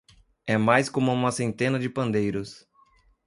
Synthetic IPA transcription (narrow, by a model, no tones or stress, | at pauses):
ɛmajskõmʊũmɐsẽnt̪ẽnɐd͡ʒɪpɐ̃nd̪ejɾʊs